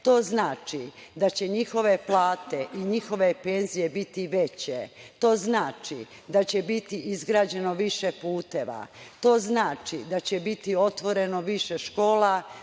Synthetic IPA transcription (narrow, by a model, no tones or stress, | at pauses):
t̪o̞ːznaːt͡ʃid̪at͡ɕe̞ɲixo̞ʋe̞plˠaːt̪e̞ʔiɲixo̞ʋe̞peːnzije̞bit̪iʋe̞t͡ɕet̪o̞ːznaːt͡ʃi | d̪at͡ɕe̞bit̪iʔizɡɾaːd͡ʑe̞no̞ʋiʃepuːt̪eʋa̰t̪o̞ːznaːt͡ʃid̪at͡ɕebit̪io̞t̪ʋo̞ɾeno̞ʋiʃeʃko̞ːla